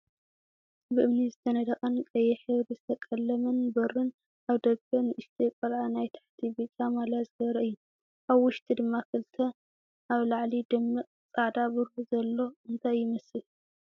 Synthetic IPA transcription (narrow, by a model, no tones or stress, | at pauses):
bɨʔɨmnizɨt̪ʰɐnɐd̪ɐχʼɐnkʼɐjɛħɨβɾizɨt̪ʰɐkʼɐlːɐmɐnbɐrːɨn | ʔaβd̪ɐɡkʰɐnɨʔɨʃt̪ʰekʼɐlʕanajt̪ʰḁħt̪ʰibit͡ʃʼamalazɨɡɐβɾɐʔɨjːu | ʔaβwʊʃt̪ʼid̪ɨmːakʰɨlt̪ʰɐ | ʔaβlaʕlid̪ɐmːɨkʼt͡sʼaʕd̪abɨɾuzɐlːo̞ɨnt̪ʰajːɪmɐsɨl